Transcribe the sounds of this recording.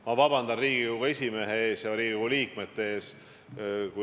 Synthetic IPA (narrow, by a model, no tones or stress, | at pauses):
mɑvɑbɑnd̪ɑnriːɡ̥iuɡɑe̞sʲime̞ɦee̞ːsjɑɾiːɡiuɡuliːkme̞t̪ːe̞eːs | ku